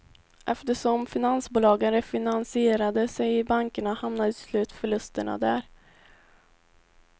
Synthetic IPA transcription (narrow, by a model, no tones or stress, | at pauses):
ʔɛft̪əʂɔmfɪnansbuːlɑːɡənɾɛfɪnansɪeːɾad̪əsɛjɪbaŋkəɳahamnad̪əslʉ̟ːt̪fœɭɵst̪əɳa̰d̪æːɾ